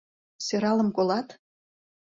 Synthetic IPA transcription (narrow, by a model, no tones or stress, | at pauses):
søɾɑlə̆mkolɑt̪